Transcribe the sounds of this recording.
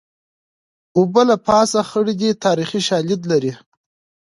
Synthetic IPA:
ubəlapɑːsaxəɽid̪it̪ʰɑɾixiʃɑlɪd̪laɾi

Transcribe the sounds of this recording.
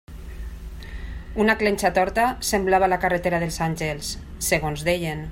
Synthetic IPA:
unaklenʲt͡ʃat̪ɔɾt̪asemblaβalakaret̪eɾaðelˠsanʲʒelˠsː | eɣonzðejen

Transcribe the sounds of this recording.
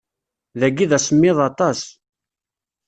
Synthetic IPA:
ðæɡiðæsəmːɪðˤɑt̪ˤɑs

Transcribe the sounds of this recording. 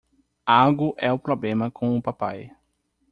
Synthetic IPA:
aɡʊʔɛʊpɾoblẽmɐkʰõʊpapaj

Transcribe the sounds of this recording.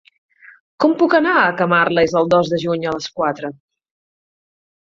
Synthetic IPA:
kɔmpukənaəkəmarləezəlˠd̪ɔzðəʒuɲələskwat̪ɾə

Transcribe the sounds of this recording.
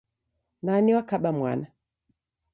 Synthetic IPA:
naniwakaɓamwa̰na

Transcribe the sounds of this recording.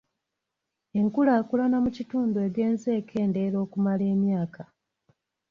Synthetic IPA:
e̞ŋkulaːkulanamucituːndue̞ɡe̞ːnze̞ːkʰe̞ːnde̞ɾo̞ːkumale̞ːmjaːka

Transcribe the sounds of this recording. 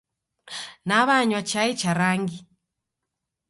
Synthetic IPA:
naβaɲwat͡ʃait͡ʃaɾaŋɡi

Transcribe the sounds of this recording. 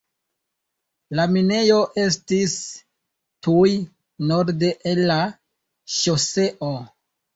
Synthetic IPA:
lamine̞jo̞ʔe̞stis | tuj | no̞ɾde̞ʔelːa | ʃose̞ʔo

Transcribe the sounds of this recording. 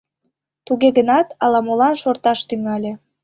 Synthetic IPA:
t̪uɣeɣənɑt̪ɑlɑmolɑnʃort̪ɑʃt̪yŋɑlʲe

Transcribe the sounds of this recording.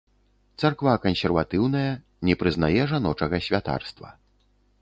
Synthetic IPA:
t̪sarkvakɐnʲsʲɛrvat̪ɨwnɐjɐ | nʲɛpɾɨznajɛʐan̪ɔt͡ʂɐɣɐsʲvʲat̪a̰rst̪vɐ̰

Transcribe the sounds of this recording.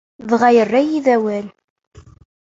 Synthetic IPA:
ðʁajərːæjiðæwæl

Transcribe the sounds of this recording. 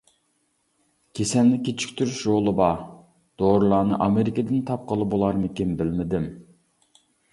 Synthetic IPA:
kʲʰesɛlnɪkʲʰet͡ʃʰi̥kʲt̪ʰyɾyʃɾolˠɨbɑ | d̪̥oɾulˠɑːnɨ̰ʔɑmeɾɪkəd̪ɪnt̪ʰɑp̚qʰəlˠɨbolˠɑɾmɪkʲinbɪlmɪd̪ɪm

